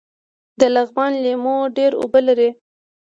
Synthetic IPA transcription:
d̪əlaɣmɑnlemoɖeɾo̰bəlaɾi

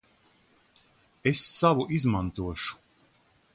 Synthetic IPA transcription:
esːavuʔizmant̪uɔʃu̥

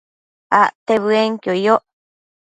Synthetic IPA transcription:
aʔt̪eβɨeŋkjojoʔ

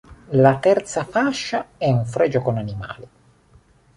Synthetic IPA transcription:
lat̪ɛrt̪safaʃːaɛuɱfɾɛd͡ʒokonanima̰ːli

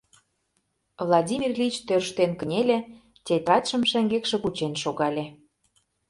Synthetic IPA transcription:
vlˠɑdʲimʲirlʲit͡ɕt̪ørʃt̪enkə̆nʲelʲĕ | tʲet̪rɑt̪ʃə̆mʃæŋɡekʃĕkut͡ɕenʃoɣɑlʲe

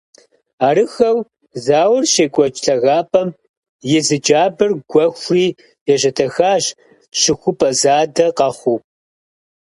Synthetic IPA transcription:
aːɾɨxɐw | zaːwʊrɕeːkʷʼɔt͡ʃʼɬʰɐɣaːpʰʼɐm | jɪzɨd͡ʒaːbɨrɡʷɔxʷriː | jɛʑɐtʰɐxaːɕ | ɕɪxʷʊpʰʼɐzaːdɐqɐχʷuː

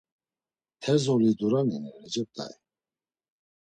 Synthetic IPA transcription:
t̪ʰɛzɔlid̪uɾaninɛɾɛd͡ʒɛp̚t̪ʰʼa̰i

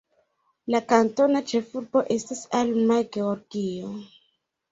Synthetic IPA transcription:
lakanto̞nat͡ʃe̞fuɾbo̞ʔe̞stasalmajɡe̞oɾɡio

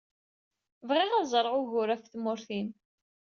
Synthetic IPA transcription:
vʁiʁæzˤɾˤʁʊʝʊɾæfθmʊɾθin

